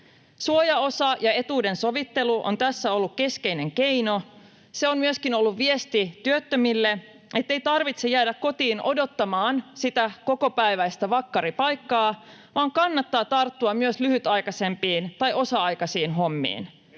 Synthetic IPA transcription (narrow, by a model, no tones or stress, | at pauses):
suojɑo̞sɑjɑe̞t̪uːde̞nso̞ʋit̪ːe̞luʔo̰nt̪æsːæo̞lːukke̞ske̞ijne̞ŋke̞jno̞ | seonmyøskino̞lːuʋʋie̞st̪it̪yøt̪ːømilːe | ʔe̞t̪ːe̞ijt̪ɑrʋit̪sejæːdækko̞t̪iːnʔo̞do̞t̪ːɑmɑːnsit̪æko̞ko̞pæjʋæjst̪æʋɑkːɑɾipɑjkːɑː | ʋɑːŋkɑnːɑt̪ːɑːt̪ɑrt̪ːuɑmmyøslyhyt̪ɑjkɑse̞mpiːnt̪ɑjʔo̞sɑɑjkɑsiːnɦo̞mːḭːn